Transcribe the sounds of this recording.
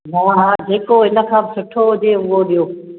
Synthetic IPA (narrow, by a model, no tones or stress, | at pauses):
ɦãːɦaːd͡ʑeːkoɦɪnə̆kʰãːbɪsʊʈʰoɦʊd͡ʑeʊɦoɗijoː